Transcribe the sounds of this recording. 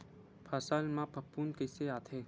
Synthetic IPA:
pʰaːsaːlmãpɐpːuːnkeseaːt̪ʰeː

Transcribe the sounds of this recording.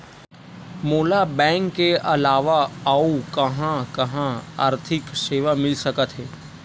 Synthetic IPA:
moːlabɛ̃ːŋkːeɐlaːʋaaːukɐɦãkɐɦãa̰ːɾt̪ʰɪkseːʋamɪlsəkət̪ɦɛː

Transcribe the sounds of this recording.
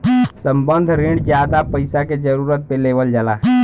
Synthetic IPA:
sə̃mbənd̪ʱɾĩɳɖd͡ʒjaːd̪apəɪsaked͡ʒəɾuːɾət̪̚peleːʋəld͡ʒəlaː

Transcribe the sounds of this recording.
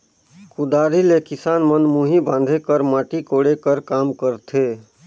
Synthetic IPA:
kud̪aːɾilekɪsaːnmənmuɦibãːn̆d̪ʱekəɾmaːʈikoɽekəɾkaːmkəɾt̪ʰe

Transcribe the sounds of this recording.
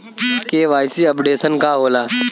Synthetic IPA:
keʋaːjsiɐpɖeːsənkaɦoːlaː

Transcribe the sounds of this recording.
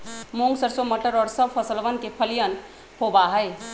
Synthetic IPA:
moŋɡsəɾsoməʈəɾɔːɾsəb̚pʰəsəlʋənkepʰəlijən | pobaɦəj

